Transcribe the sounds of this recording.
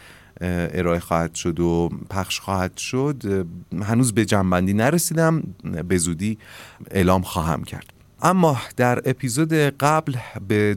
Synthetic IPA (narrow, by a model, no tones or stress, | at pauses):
e̞ɾɒːe̞xɒːhæd̪̥ʃo̞d̪opʰæxʃxɒːhæd̪̥ʃod̪ɦænuːzbe̞d͡ʒæmbænd̪iːnæɾesiːd̪æmbe̞zuːd̪iːe̞̰lɒːmxɒːɦæ̰mcʰæ̰ɾd̪̥ | ʔæmːɒːd̪̥æɾe̞pʰiːzoːd̪e̞ɢæblbe